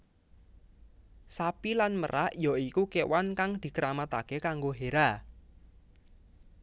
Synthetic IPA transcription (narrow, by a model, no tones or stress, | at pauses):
sapilanmə̰ɾʔaʔjɔikukewankaŋd̪̥i̤kəɾamat̪akekaŋɡoɦeɾa